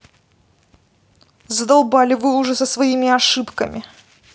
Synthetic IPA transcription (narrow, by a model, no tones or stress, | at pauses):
zəd̪ɐlˠbalʲɪvɨʊʐɛsəsvɐimʲɪɐʂɨpkəmʲɪ